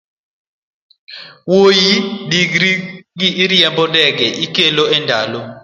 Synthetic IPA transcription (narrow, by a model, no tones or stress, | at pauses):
wojidiɡɾiɡiʔiɾijɛmbɔdɛk̬ɛʔikɛlɔɛndʱa̰ːlɔ